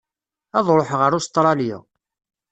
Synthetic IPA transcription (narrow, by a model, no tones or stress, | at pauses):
ɑðˤɾˤoħʁəɾʊst̪ˤɾˤɑljɪ̰